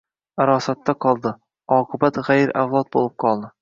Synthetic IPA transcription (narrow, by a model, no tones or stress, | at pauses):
aɾɒsat̪ːaqʰɒlˠd̪ɪ | ɒːqʰɨbat̪ʁajɾʔawlˠɒt̪̚bolˠɪp̚qʰɒlˠd̪ɪ